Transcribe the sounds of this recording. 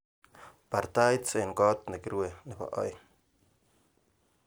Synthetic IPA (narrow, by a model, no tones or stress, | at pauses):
paɾt̪ajt͡seŋkot̪̚nekɾwenepa̰ʔo̰j